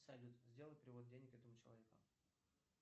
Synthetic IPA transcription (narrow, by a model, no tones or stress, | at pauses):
sɐlʲut̪zʲdʲe̞lˠət̪ʲpɾʲɪvod̪̚dʲenʲɪkɛt̪əmʊt͡ɕɪlˠɐ̰vʲe̞kʊ̰